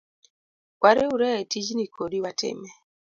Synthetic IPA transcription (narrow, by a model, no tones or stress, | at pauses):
kwaɾeuɾɛtid͡ʒnikʰoɾiwatɪ̰mɛ